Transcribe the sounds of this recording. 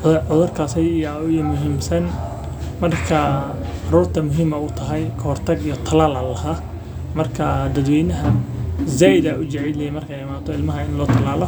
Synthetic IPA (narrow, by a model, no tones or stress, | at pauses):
ʊʕʊðʊrkʰaːsɛjijʊjmʊɦiːmsɐn | mɐrkʰɐ | ɑɾuːrt̪ʰɐmʊɦiːmɐʊt̪ʰɐɦɛjkʰɔrt̪ʰɐɡijɔt̪ʰɐlaːlɐlɐhaː | mɐrkʰɐd̪ɐd̪wɛːjnɐɦɐzɛjd̪ɐʊd͡ʒɐʕilɛjɛmɐrkʰɛjɪmaːt̪ʰɔɪlmɐɦɐɪnlɔːt̪ʰɐlaːlɔ